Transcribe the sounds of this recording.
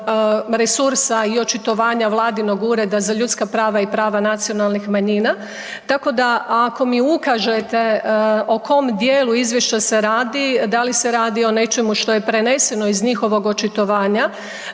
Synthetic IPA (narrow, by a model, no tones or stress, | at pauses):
ɾesuɾsaio̞t͡ʃit̪o̞ʋaːɲaʋlˠaːd̪ino̞ɡuɾe̞d̪azaʎut̪skapɾaːʋaipɾaːʋanat̪sio̞nalˠnixmaɲina | t̪ako̞d̪aako̞miukaʒet̪e̞o̞ko̞md̪jeːluizʋjeʃt͡ɕase̞ɾaːd̪id̪alise̞ɾaːd̪io̞ne̞t͡ʃe̞muʃt̪o̞je̞pɾe̞ne̞se̞no̞izɲixo̞ʋo̞ɡo̞t͡ʃit̪o̞ʋaːɲa